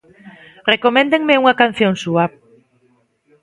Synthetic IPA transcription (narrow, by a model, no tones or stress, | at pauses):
rekomɛ̃nd̪eŋmeuŋakan̟θjoŋsuap